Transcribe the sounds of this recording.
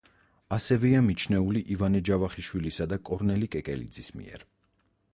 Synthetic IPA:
asɛvɛamit͡ʃʰnɛuliʔivanɛd͡ʒavaχiʃwilisad̪akʼɔɾnɛlikʼɛkʼɛ̰lḭd̪zismḭɛ̰ɾ

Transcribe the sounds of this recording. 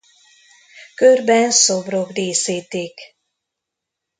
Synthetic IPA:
kørbɛnsobrokdeːsiːt̪iːk

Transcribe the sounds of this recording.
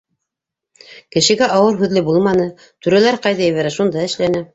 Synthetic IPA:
kɘ̆ʃɘ̆ɡæʔɑwɤɾɦʉðlɘbulˠmɑnɤ | t̪ʉɾælæɾqɑjðɑjɘ̆βæɾæʃund̪ɑɘ̆ʃlænɘ

